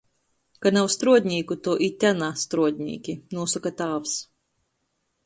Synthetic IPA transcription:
kanawst̪ɾuɔd̪ʲnʲiːkut̪ɔʔit̪ʲanast̪ɾuɔd̪ʲnʲḭːkʲinuːsukat̪aːvs

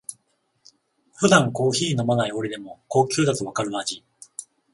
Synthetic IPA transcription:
ɸɯ̟d̪ãŋko̞ːçiːno̞manaio̞ɾed̪e̞mo̞ko̞ːkʲɯːd̪akɯβakaɾɯ̟mad͡ʑi

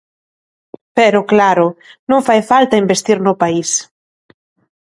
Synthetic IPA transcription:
peɾoklaɾonũŋfajfalt̪aimbest̪iɾnopais

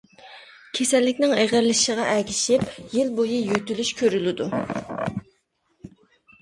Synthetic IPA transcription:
kʲʰesɛlːɪkʲnɪŋeʁæɾlɪʃiʁɑʔɛkʲiʃɪpjilbojijyt̪ylyʃkʲʰøɾylɪd̪u

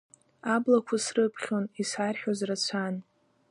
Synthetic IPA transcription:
ablakʷʰasrɨpʰχʲonisarħʲᶣozrat͡ɕʷʰan

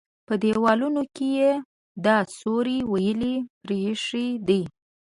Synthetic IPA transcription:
pəd̪ewɑlunokeje | d̪ɑsoɾiwajəlipɾeʂid̪i

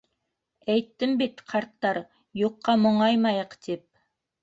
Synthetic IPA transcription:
æjt̪ːɪmbet̪qʰɑɾt̪ːɑɾ | joqːɑmoɴɑjmɑjəqd̪̥ep̚

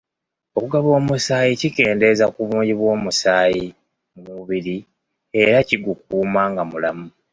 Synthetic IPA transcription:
o̞kuɡaβo̞ːmusaːjicike̞ːnde̞zakuβuːɲɟiβwo̞ːmusaːji | muβiɾi | e̞ɾaciɡuk̚uːmaŋɡamulamu

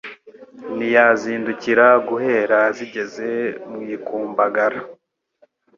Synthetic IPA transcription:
nijaziːnduciɾaɡuhe̞ːɾaziɟe̞ze̞mŋiːkuːmbaɡaɾa

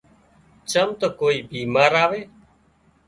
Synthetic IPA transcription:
t͡ʃəmt̪əkoːiːbiːmaːɾaːʋeː

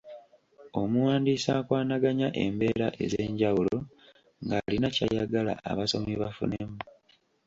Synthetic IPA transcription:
o̞muwaːndiːsaːkwaːnaɡaɲaʔe̞mbe̞ːɾaʔe̞̰zeɲɟawulo̞ | ŋɡalinaca̰jaɡala̰a̰βaso̞miβafṵnemu

